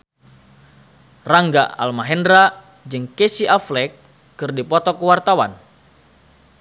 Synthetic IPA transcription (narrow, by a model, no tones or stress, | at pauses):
raŋɡa̰a̰lmaɦɛndɾa | d͡ʒɨŋkɛsiʔaflɛkː | ɨrdipɔt̪ɔkəwart̪awan